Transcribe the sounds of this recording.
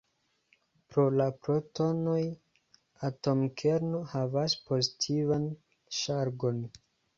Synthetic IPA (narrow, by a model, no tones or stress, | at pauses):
pɾo̞lapɾo̞to̞no̞j | ato̞mkʰe̞ɾnohavaspo̞zitʰivan | ʃaɾɡo̞n